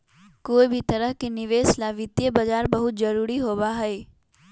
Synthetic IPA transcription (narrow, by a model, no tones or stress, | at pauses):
koːibʱit̪ɐɾəɦkenɪʋeːslaʋɪt̪jəbɐd͡ʒaːɾbɐɦʊt̪̚d͡ʒɐɾuːɾiɦoːbaɦɛeː